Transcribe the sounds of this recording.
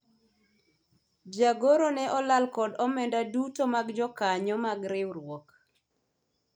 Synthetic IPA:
d͡ʒaɡoɾonɛʔɔlalkɔdɔmɛndadutomaɡd͡ʒɔkaɲɔmaɡɾɪwɾwɔk

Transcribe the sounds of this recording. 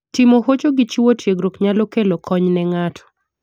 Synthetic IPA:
tɪmohot͡ʃoɡɪt͡ʃiwotʰjeɡɾokɲalɔkelokʰɔɲnɛŋatʰɔ̥

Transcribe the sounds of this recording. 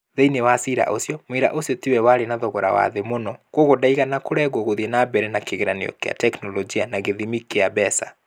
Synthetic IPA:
ðeinewasiɾa̰ʔosjɔmweɾa̰ʔosjɔtiwɛwaɾenaðɔɣɔɾa̰wa̰ðemonɔkwoɣodaiɣanakoɾɛɣoɣoðiɛnabɛɾɛnakeɣeɾanḛjɔ̰kḛa̰tɛknɔlɔd͡ʒianaɣeðimikeabɛsa

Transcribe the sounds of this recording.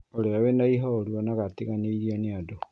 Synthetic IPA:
oleawenaiɦɔoɾuɔnaɣatiɣaneiɾianeado

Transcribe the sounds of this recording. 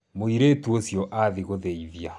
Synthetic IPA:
moiɾeːtuosjɔʔaðiɣoðeiðja

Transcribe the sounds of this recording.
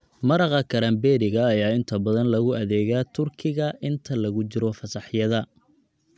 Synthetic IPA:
mɐɾɑqɐkʰɐɾɐmbɛːɾɪɣɐːjaːɪnt̪ʰɐbɐðɐnlɐɣʊʔɐðɛːɣaːt̪ʰʊrkʰɪɣɐʔɪnt̪ʰɐlɐɣʊt͡ʃɪɾɔfɐsɑħjɐðɐ

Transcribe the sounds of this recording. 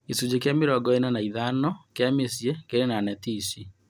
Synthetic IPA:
esud͡ʑek̬jameɾɔɡɔenanaiðanɔkeamesjekeɾenanɛtiːsi

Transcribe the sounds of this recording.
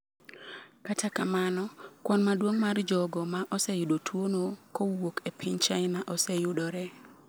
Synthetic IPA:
katʰakamanɔkwɔnmadwoŋmard͡ʒɔɡɔmaʔɔsɛjʊdotʰwonokɔwokepʰɪɲt͡ʃaɪnaʔɔsɛjʊdɔɾɛ

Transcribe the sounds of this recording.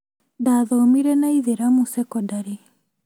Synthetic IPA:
daːðɔmiɾɛnaiðeɾamusɛkɔdaɾi

